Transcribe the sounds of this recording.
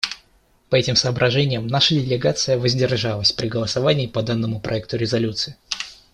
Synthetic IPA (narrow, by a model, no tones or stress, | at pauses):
pɐɛtʲɪmsɐːbɾʔɐʐɛnʲɪjəmnaʂədʲɪlʲɪɡat̪sɨjəvəzʲdʲɪrʐalˠəsʲpɾʲɪɡəlˠəsɐvanʲɪːpɐd̪anːəmʊpɾʔɐɛk̚t̪ʊɾʲɪzɐlʲut̪sɨɪ